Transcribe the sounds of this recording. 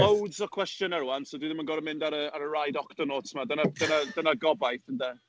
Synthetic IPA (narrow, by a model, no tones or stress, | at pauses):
owdzɔkʰwɛstjɔnɛɾwansodiðɪmənɡɔɾəmɪ̃ndaɾəaɾəɹajdɔkʰtənoːtʰmadənadənadənaɡɔbajθəndɛ